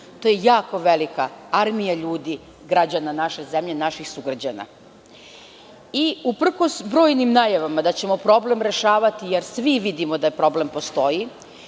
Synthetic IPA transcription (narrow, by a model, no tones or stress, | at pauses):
t̪ojejaːko̞ʋe̞likaaɾmijaʎuːd̪i | ɡɾad͡ʑananaʃe̞ze̞mʎe̞naʃixsuɡɾad͡ʑana̰ | iupr̩ko̞sbɾo̞ːjnimnaːjaʋamad̪at͡ɕe̞mo̞pɾo̞ble̞mɾe̞ʃaːʋat̪ijeɾsʋiʋid̪imod̪apɾo̞ble̞mpo̞st̪o̞ji